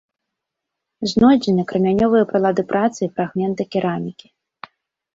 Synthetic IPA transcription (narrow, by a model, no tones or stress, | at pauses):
znɔjd͡zʲɪnʲɐkɾɐmʲanʲɔvɨjɐpɾɐlˠad̪ɨpɾʔat̪sɨifɾaɣmʲɛnt̪ɐkʲiɾamʲikʲi̥